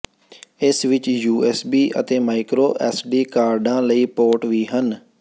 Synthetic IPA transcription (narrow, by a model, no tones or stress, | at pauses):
ɪsʋɪt͡ʃjuːɛːsbiːʔə̰t̪eːmaːɪkɾoːʔɛːsɖiːkaːɾɖãːləiːpoːʈʋiːɦən